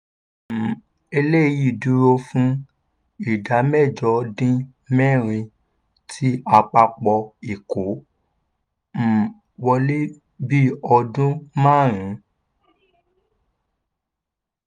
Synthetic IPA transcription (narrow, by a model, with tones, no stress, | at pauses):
e˧le˦˨ji˦˨du˨˦ɾo˧fũ˦ | i˦˨da˨˦mɛ˦˨d͡ʒɔ˨˧dĩ˦ | mɛ˦˨ɾ̃ĩ˧ | tʰi˦a˧k͡pa˧k͡pɔ˧i˨ko˨˦ | m̩˨ | wɔ˧le˦ | bi˦ɔ˧dũ˦mãː˦˨ɾ̃ĩ˨˦